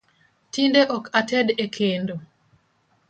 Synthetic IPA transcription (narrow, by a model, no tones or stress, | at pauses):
tindeʔɔkatɛdekʰendo